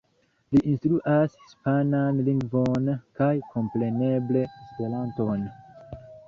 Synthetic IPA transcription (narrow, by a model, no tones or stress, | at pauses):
liʔinstɾuʔashi̥spananliŋɡvo̞nkajkʰo̞mpɾe̞ne̞ble̞spe̞lanto̞n